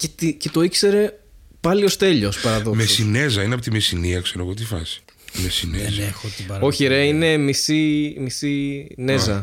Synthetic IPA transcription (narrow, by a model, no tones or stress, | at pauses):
cet̪ice̞t̪o̞ikse̞ɾe̞pɐlio̞st̪e̞ʎo̞spɐɾɐðomesine̞zɐineɐpot̪imesiniɐkse̞ɾoɐɣot̪̬ifɐ̰si̥ | mesinezot̪io̞çieɾeine̞misimisinezɐ